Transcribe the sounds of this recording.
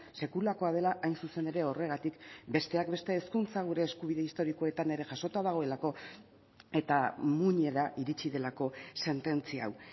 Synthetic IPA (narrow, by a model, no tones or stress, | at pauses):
se̞kulako̞að̞e̞laʔajnsuse̞ne̞ɾe̞o̞re̞ɣ̞at̪ikbe̞st̪e̞akbe̞st̪e̞ːskunt͡saɣ̞uɾe̞ːskuβ̞iðe̞ist̪o̞ɾiko̞e̞t̪ane̞ɾe̞ʝaʃo̞t̪aðaɣ̞o̞e̞lako̞ | e̞t̪amuɲe̞ɾaʔiɾit͡ʃiðe̞lako̞se̞nt̪e̞nt͡siaa̰w